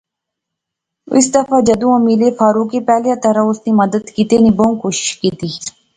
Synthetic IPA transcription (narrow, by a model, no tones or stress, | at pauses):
ɪ̰sd̪əfaːd͡ʒəd̪ũːãːmileːfaːɾuːkepɛːljat̪əɾaʊsniːməd̪əd̪kiːt̪eːnibõkoːʃɪ̥ʃkiːt̪iː